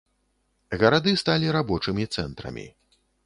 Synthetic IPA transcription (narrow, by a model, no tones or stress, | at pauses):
ɣɐɾad̪ɨst̪alʲiɾabɔt͡ʂɨmʲit̪sɛnt̪ɾɐ̰mʲḭ